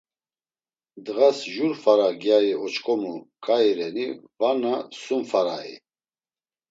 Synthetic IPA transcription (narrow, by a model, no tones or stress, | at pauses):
d̪ɣasʒuɾfaɾaɡjaiɔt͡ʃkʼɔmukʼaiɾɛnivanasumfaɾaḭ